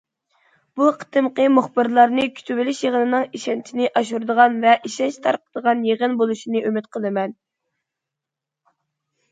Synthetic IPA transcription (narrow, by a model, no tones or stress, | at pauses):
b̥uqʰə̥t̪ʰɨmqəmuχbɨɾlˠɑɾnɨkʲʰy̥t̪ʰybɪlɪʃjeʁənɨnɨŋiʃɛnt͡ʃʰinɪʔɑʃuɾd̪əʁɑnvɛʔiʃɛnt͡ʃt̪ʰɑ̰ɾqʰəd̪əʁɑnjeʁənbolˠuʃinɨʔymɪt̪̚qʰəlˠɨmɛn